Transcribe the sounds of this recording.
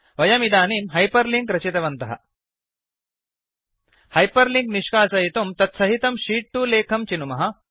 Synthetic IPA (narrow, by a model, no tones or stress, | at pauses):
ʋɐjɐmid̪aːniːmɦɐjpɐɾliŋɡɾɐt͡ʃit̪ɐʋɐnt̪ɐɦɐ̰ | hɐjpɐɾliŋɡniʂkaːsɐjit̪umt̪ɐt̪sɐɦit̪ɐmʃiːʈʈuːleːkʰɐmt͡ʃinumɐɦɐ̆